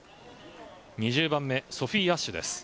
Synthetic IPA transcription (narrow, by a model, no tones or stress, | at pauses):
ɲ̟iʑɨːbãmːe̞so̞ɸʲiːaɕːɨd̪e̞̰sɨ̥